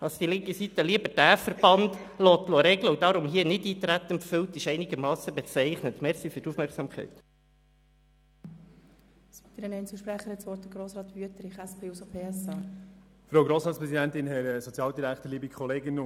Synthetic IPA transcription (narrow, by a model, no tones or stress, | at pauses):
ɑsd̥ilɪŋkəsit̪ːəliəbəd̥æːfəɾb̥ɑnd̪loːt̪loɾɛɡləudɑɾʊmɦiənɪdiːt̪ɾæt̪ːənfʏlt̪ɪʃɛɪnɪɡəɾmɑːsəbɛt͡sɛɪχnət̪mɛɾsifyɾtufmɛrksɑːmkχɛ̰ɪt̪ | si̥t̪iɾənɛɪnt͡suʃpɾɛχəhɛtsʋɔɾt̚dəɡɾoːsɾɑːt̪ʋyətɾɪχɛspʰeːusopʰeːɛsɑːfɾoʊɡɾoːsɾɑːtspɾɛsidɛnt̪ɪnhɛɾsɔt͡sjɑːld̪iɾæktəlibikʰχɔleːɡɪn